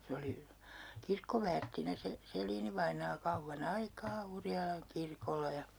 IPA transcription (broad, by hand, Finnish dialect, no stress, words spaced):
se oli kirkːoʋæːrtːinæ se selˑiːniʋɑinɑː kɑuʋːɑn ɑikɑː urjɑlɑŋ kirkolˑɑ jɑ